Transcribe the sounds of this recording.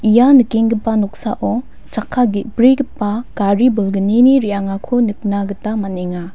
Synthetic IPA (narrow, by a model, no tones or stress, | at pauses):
ijanɯkeŋɡipːanɔk̚saʔɔ | t͡ʃakʰːaɡibɾiɡipːakaɾibulɡɯniniɾijaŋakʰonɯk̚naɡɯtamaneŋa